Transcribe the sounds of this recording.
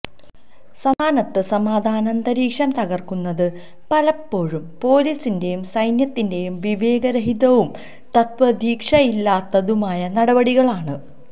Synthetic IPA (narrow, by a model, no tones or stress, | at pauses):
sɐmaːnɐt̪ːɨsɐmaːd̪ʱaːnɐnd̪ɐɾiːkʂɐnt̪ɐɣɐrkunːɐðɨ | pɐlɐpːo̞ːɻumpo̞ːliːsinde̞jumsɐjnjɐt̪ːinde̞jumʋiʋe̞ːɡɐɾɐɦiðɐʋum | t̪ɐt̪ʋɐd̪ʱiːkʂɐjilːaːt̪ːɐðumaːjɐnɐɽɐbɐɽiɣɐɭaːɳɨ